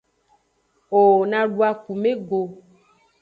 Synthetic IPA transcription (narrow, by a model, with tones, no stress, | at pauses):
o˨nã˨ɖu˦a˨ku˨mẽ˦ɡo˨